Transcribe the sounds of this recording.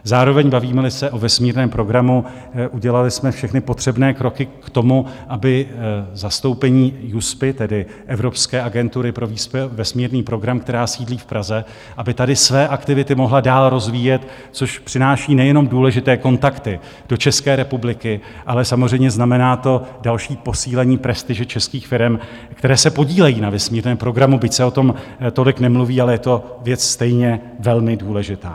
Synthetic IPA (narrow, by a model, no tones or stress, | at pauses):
zaːɾo̞vɛɲbaviːmɛlɪsɛʔo̞vɛsmiːɾnɛːmpɾo̞ɡɾamu | ʔuɟɛlalɪsmɛfʃɛxnɪpo̞t̪r̥ɛbnɛːkɾo̞kɪkt̪o̞muʔabɪzast̪o̞wpɛɲiːjuspɪt̪ɛdɪ | ʔɛvɾo̞pskɛːʔaɡɛnt̪uɾɪpɾo̞viːspɛvɛsmiːɾniːpɾo̞ɡɾamkt̪ɛɾaːsiːdliːfpɾʔazɛ | ʔabɪt̪adɪsvɛːʔakt̪ɪvɪt̪ɪmo̞ɦladaːlɾo̞zviːjɛt̪ | t͡so̞ʃpr̥ɪnaːʃiːnɛjɛno̞mduːlɛʒɪt̪ɛːko̞nt̪akt̪ɪ | d̥o̞t͡ʃɛskɛːɾɛpublɪkɪ | ʔalɛsamozr̝ɛjmɲɛznamɛnaːt̪o̞dalʃiːpo̞siːlɛɲiːpɾɛst̪ɪʒɛt͡ʃɛskiːxfɪɾɛm | kt̪ɛɾɛːsɛpo̞ɟiːlɛjiːnavɛsmiːɾnɛːmpɾo̞ɡɾamubɪcsɛo̞t̪o̞mt̪o̞lɪknɛmluviːalɛjɛt̪o̞vjɛt͡sst̪ɛjɲɛvɛlmɪduːlɛʒɪt̪a̰ː